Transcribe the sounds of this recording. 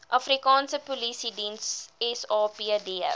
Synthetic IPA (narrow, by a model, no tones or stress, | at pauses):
ʔɐfɾikɑːnsəpolisidĩnsɛsɑːpiɛdiɛ̰